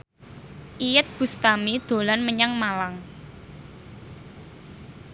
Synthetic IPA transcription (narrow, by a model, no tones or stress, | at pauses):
ʔijət̪̚b̥ṳst̪amid̪̥o̤lanməɲaŋmalaŋ